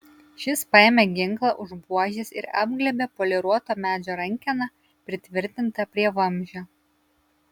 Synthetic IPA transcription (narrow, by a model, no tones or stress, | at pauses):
ʃʲɪspɐɛːmʲɛɡʲɪŋklˠɑʔʊʒbuɔʒʲesɪ̰ɾɑ̰ːb̚ɡlʲɛbʲɛpoːlʲɛɾuɔt̪oːmʲæːd͡ʒʲoːɾɐŋʲˑkʲɛnɐ | pʲɾʲɪt̪ʲʋʲɪɾʲt̪ʲɪnt̪ɐpʲɾʲiɛʋɐmʲˑʒʲoː